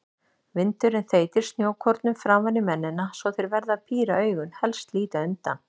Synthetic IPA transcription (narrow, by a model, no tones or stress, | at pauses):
vɪnt̪ʏɾɛnθeːjt̪ɪɾ̥st̪njoːwkʰɔɾt̪nʏmfɾaːmvanːɪmɛnːɪnːasɔθɪɾvɛɾðaðpʰiːɾaœːɥɣʏnhɛlst̪liːt̪aʏnt̪a̰n